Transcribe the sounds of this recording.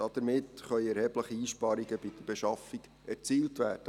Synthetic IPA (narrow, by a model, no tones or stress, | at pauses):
ɑd̥̪əɾmɪtχœʏɛɾhɛbləχiiːʃpɑːɾiɡəbid̥̪əb̥eʃɑfiɡ | ɛɾt͡siːltʋæːd̥ə